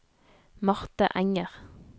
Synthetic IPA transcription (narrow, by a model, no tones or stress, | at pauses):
mɑʁt̪ə̰ʔæŋəʁ